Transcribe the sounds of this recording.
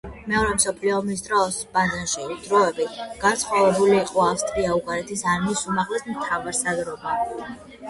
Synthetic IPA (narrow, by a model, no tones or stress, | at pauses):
mɛɔɾɛmsɔpʰliɔːmis̬d̪ɾɔsbazanʃid̪ɾɔɛbiɡ̥ant̪sʰχɔvɛbuliːqʼɔafst̪ʼɾiauɡaɾɛt̪ʰisaɾmiːsumaʁlɛsmt̪ʰavaɾsad̪ɾɔba